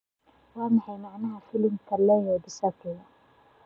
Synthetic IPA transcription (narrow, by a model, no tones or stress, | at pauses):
wɑːmɑħɑjmɑʕnɐɦɐfɪlɪmkʰɐlɛːjɛd̪ɪsɐkʰɪjɐ